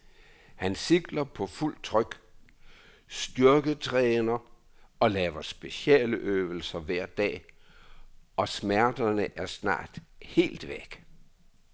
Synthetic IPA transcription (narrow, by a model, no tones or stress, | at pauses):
hænsiɡ̥lɐpʰɒ̽ful̰d̥̚t͡sʰʁœɡ̥ | sd̥yɐɡ̥ət͡sʰʁɛːnɐ | ɒ̽lɛːʋɐsb̥e̝siɛ̰ːləʔøːʊl̩sɐʋæɐ̰d̥ɛ̰ː | ʔɒ̽smæɐd̥ɐnəʔæɐsnɑ̰̈ːd̥he̝̰ːld̥ʋeɡ̥